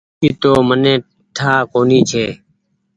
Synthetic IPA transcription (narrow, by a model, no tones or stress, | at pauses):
iːt̪oːmənẽː | ʈʰaːkoːniːt͡ʃʰeː